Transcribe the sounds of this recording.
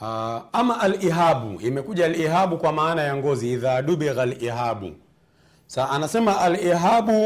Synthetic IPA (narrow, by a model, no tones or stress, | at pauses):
aamaʔaliɦaɓṵimɛkuʄaliɦaɓukwamaːnajaŋɡɔziiðaːɗuɓɛɣaliɦaɓṵ | saanasɛmaʔaliɦaɓu